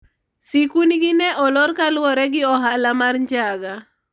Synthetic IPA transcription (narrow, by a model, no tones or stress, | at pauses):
sikunɡɪnɛʔɔlɔrkalʊwɔɾɛɡɪɔɦalamarɲd͡ʒaɡa